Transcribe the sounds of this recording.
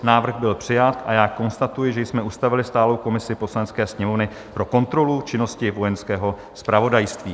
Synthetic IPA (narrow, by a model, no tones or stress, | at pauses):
naːvr̩ɣbɪlpr̝̥ɪjat̪ʔajaːko̞nst̪at̪ujɪʒɛjsmɛust̪avɪlɪst̪aːlo̞wko̞mɪsɪpo̞slanɛt͡skɛːsɲɛmo̞vnɪ | pɾo̞ko̞nt̪ɾo̞lut͡ʃɪno̞scɪvo̞jɛnskɛːɦo̞ | spɾavo̞dajst̪viː